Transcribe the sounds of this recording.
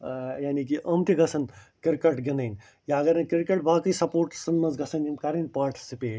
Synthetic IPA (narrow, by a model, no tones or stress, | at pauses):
jaːnik̬iʔɐmt̪iɡɐsɐnkɪɾkɐʈɡinɐjn | jaːɡɐɾɐnkiɾkeʈ̚baːkɐisɐpoːɾʈsɐnmɐnzɡɐsɐnɡinkɐɾɐnpaːɾʈi̥sipeːʈ